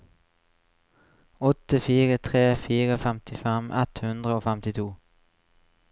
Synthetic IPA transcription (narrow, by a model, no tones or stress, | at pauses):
ɔt̪əfiːʁət̪ʰʁeːfiːʁəfæmt̪ɪfɛmʔɛt̪hʉnd̪ʁəoːfæmt̪ɪt̪ʰuː